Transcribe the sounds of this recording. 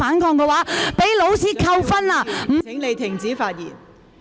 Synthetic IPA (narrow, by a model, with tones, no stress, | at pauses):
aː˨˥nkɔː˧ŋkɛ˧waː˨˥pe˨˥jlo˨˥wsiː˧˥kʰɐ˧wfɐ˥nlaː˧˩m̩ːʰ˨˩ɪ˨˥ŋle˨˧jt̪ʰɪ˨˩ŋt͡siː˨˥faː˧t̚jḭː˨˩n